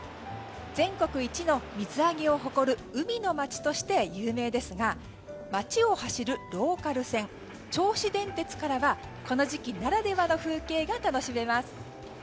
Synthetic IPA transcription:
z̥ẽ̞ŋko̞kɯ̟it͡ɕino̞mʲizɨaɡʲio̞ɦo̞ko̞ɾɯ̟ɯ̟mʲino̞mat͡ɕi̥t̪o̞ɕi̥t̪e̞jɯːme̞ːd̪e̞sɨɡa | mat͡ɕio̞haɕiɾɯ̟ɾo̞ːkaɾɯ̟sẽ̞ŋ | t͡ɕo̞ːɕid̪ẽ̞nt̪e̞t͡sɨ̥kaɾaβa | ko̞no̞ʑikʲinaɾad̪e̞βano̞ɸɯ̟ːke̞ːɡat̪ano̞ɕime̞masɨ̥

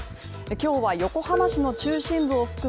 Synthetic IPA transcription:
sɨ̥ | ekʲo̞ːβajo̞ko̞hamaɕino̞t͡ɕɨːɕĩmbɯ̟o̞ɸɯ̟̥kɯ̟

